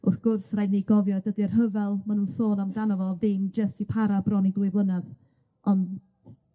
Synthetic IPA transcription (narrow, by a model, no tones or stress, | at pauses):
ʊrθɡ̥ʊrsrajniɡɔvjɔdədiərɦəvɛlˠmanuːnsoːnamdanɔvɔðɪmd͡ʒəstʰipʰaɾabrɔnidwɨblˠənað | ʔɔn